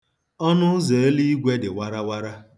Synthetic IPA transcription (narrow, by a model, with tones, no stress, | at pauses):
ɔ˦nʊ˦ze˨e˦li˦i˦ɡʷe˦dɪ˨wa˦ɾa˦wa˦ɾa˦